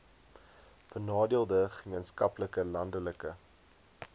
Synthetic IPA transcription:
b̥ənɑːdiəlˠdəχəmiənskɐpləkəlɐndələkə

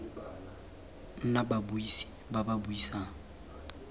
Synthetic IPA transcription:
n̩nababuisi̥bababuisaːŋ̩

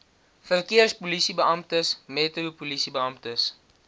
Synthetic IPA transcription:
fərkiərspulisibəɐmptəsmɛtrupulisibəɐmtəs

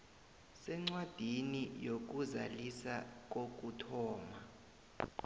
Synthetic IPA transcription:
sɛŋ͡ǀwad̥ʱinijok̬uza̰lisak̬ok̬utʰɔːma

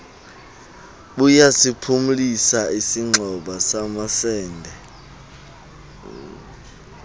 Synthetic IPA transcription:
ɓujasipʰumulisaisiŋ͡ǁʱɔɓasamasɛːndʱɛ

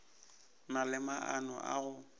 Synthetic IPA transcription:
nalɪmaʔanɔ̰ʔa̰ɣʊ

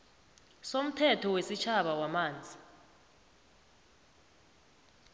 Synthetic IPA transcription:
som̩tʰɛtʰɔwesit͡ʃʰaɓawamaːnd͡zʱi

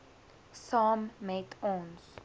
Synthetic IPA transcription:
samːetʰɔ̃ns

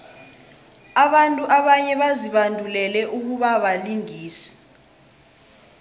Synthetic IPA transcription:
aɓantʼuʔaɓaɲɛɓaziɓandʱulɛlɛʔuk̬uɓaɓaliŋiːsi̥

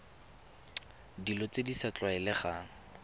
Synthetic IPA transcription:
dilɔt͡sedisat͡ɬwaɛlɛχa

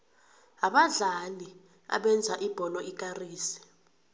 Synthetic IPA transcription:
aɓaɮali | a̰ɓɛnd͡zʱaʔib̥ʱɔlɔikʼariːsi̥

